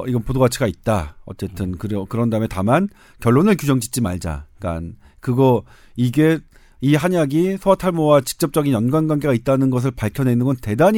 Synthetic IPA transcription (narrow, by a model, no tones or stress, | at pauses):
iɡʌnpodoɡat͡ɕʰiɡait̚t͈aʌ̰t͡ɕ͈e̞tʰɯnkɯɾkɯɾʌndamentaman | kjʌɭːonɯɭkjud͡ʑʌŋd͡ʑit͡ɕ͈ima̰ɭd͡ʑa̰k͈a̰n | kɯɡʌ | iɡe̞ | iɦaɲaɡisʰoatʰaɭmowat͡ɕi̥k̚t͡ɕ͈ʌp̚t͡ɕ͈ʌɡinjʌnɡwanɡwaŋɡe̞ɡait̚t͈anɯnɡʌs̬ʰɯɭpaɭkʰjʌnenɯnɡʌnte̞daɲ